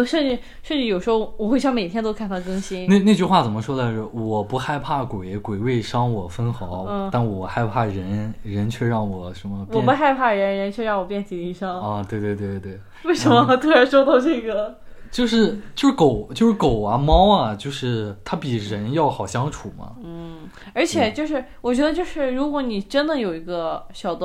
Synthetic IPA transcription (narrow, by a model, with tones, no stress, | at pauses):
ʂə˥˧nʈ͡ʂɻ̩˥˧ | ʂə˥˧nʈ͡ʂɻ̩˥˩jo˨˩ʊʂɻ̩˧˥xo˧ʊwɔ˨˩xwe˥˧ɪɕjɑ˥˩ŋme˨˩ɪt̪jɛ˥nt̪o˥kʰnt̪ʰa˥˩kɤ˥ŋɕi˥nne˥˧ɪne˥˧t͡ɕy˥˧xwa˥˩t͡sə˨˩nmə˦ʂwɔ˥d̪a˧˥˩wɔ˨˩pu˧˥xa˥˧ɪpʰa˥˩kwe˨˩˦ɪkwe˨˩ɪwe˥˩ɪʂɑ˥ŋwɔ˨˩fə˥nxɑ˧˥ʊ˥˧t̪a˥˩nwɔ˨˩xa˥˧ɪpʰa˥˩ɻə˧˥nɻə˧˥nt͡ɕʰɥɛ˥˧ɻɑ˥˩ŋwɔ˨˩ʂə˧˥mə˧pwɔ˨˩˥pu˧˥xa˥˧ɪpʰa˥˩ɻə˧˥nɻə˧˥nt͡ɕʰɥɛ˥˧ɻɑ˥˩ŋwɔ˨˩pjɛ˥˩nt̪ʰi˨˥˩t̪i˥˩ʂɑ˥ŋ˧t̪we˥˧ɪt̪we˥˧t̪we˥˧˩t̪we˥˩ɪ | we˥˩ɪʂə˧˥nmə˧t̪ʰu˥a˧˥ʂo˥˧ʊt̪ɑ˥˧ʊʈ͡ʂe˥˩ɡə˩t͡ɕjo˥˧ʊʂɻ̩˥˧t͡ɕjo˥˧ʊʂ̩˥˩ko˨˩˦ʊt͡ɕjo˥˧ʊʂɻ̩˥˩ko˨˩ʊɐ˧˥mɑ˥ʊɐ˨t͡ɕjo˥˧ʊʂɻ̩˥˩t̪ʰa˥pi˨˩ɻə˧˥njɑ˥˩ʊxɑ˨˩ʊɕjɑ˥ŋʈ͡ʂʰu˨˩mɐ̰˦n̩˥˩ | ə˞˧˥t͡ɕʰjɛ˨˩t͡ɕjo˥˧ʊʂɻ̩˥˧wɔ˨˩t͡ɕɥɛ˧˥d̪ə˧t͡ɕjo˥˧ʊʂɻ̩˥˩ɻu˧˥kwɔ˧˥ni˨˩ʈ͡ʂə˥nd̪ə˨jo˨˩ʊi˧˥ɡə˧ɕjɑ˨˩ʊd̪